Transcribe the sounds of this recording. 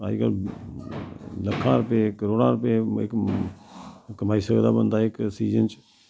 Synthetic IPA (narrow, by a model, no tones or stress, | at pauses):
a̰ːd͡ʒkə̰l | ləkʰːãɾʊpekəɾoːɽãːɾʊpeḛk | kəmaːisəɡd̪abənd̪aeksiːd͡ʒənt͡ʃ